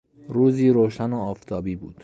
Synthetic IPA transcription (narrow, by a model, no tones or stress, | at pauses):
ɾuːziːɾoːʃænoɒːft̪ʰɒːbiːbuːd̪̥